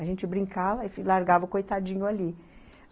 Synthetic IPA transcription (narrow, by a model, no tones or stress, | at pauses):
aʒẽnt͡ʃɪbɾĩŋkavɐɪfilaɾɡavɐʊkojt̪ad͡ʒĩɲʊali